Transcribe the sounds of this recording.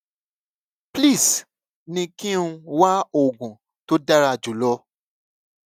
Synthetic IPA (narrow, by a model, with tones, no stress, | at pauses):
pli˦˨s | nĩ˧kĩ˦ũ˧wa˦o˨ɡũ˨ | to˦da˦ɾa˧˨d͡ʒu˨˦lɔ˦